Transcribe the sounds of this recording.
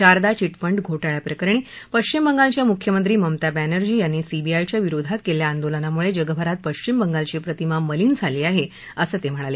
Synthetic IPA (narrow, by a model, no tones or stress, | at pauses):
t͡ɕaɾd̪at͡ɕiʈfəɳɖɡʱoʈaɭjapɾəkəɾɳ̃iːpəɕt͡ɕimbəŋɡalt͡ɕjamukʰjəmənt̪ɾiːməmt̪abænəɾd͡ʑiːjanːiesibiajt͡ɕjaʋiɾod̪ʱat̪keljaːnd̪olənamuɭed͡ʑəɡəbʱəɾat̪̚pəɕt͡ɕimbəŋɡalt͡ɕiːpɾət̪imaməliːnd͡zʱaliːaɦe | əsəːt̪em̤əɽ̃ale